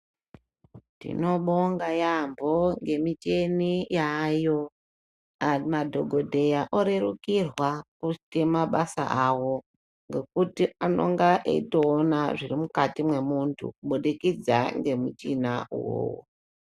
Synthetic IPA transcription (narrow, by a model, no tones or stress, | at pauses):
nḭno̞ɓoŋɡajambo̞ŋɡe̞mit͡ʃe̞nijajo̞ | amadʱoɡʱo̞dʱe̞jaʔoɾeɾukirwakutemaɓasa̰ʔawo̞ | ŋɡe̞kutiano̞̰ŋɡaʔḛitoːnaʐirimukatimwe̞muntʰṵk̚uɓoɗikid͡za̰ŋɡe̞mut͡ʃinaṵwo̰ːwo̰